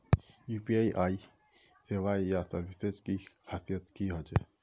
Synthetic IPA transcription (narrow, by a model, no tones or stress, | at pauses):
juːpiaːiʔaːi | seʋaːijasɐɾbɪsed͡ʒkixaːsijət̪kiɦoːd͡ʒeː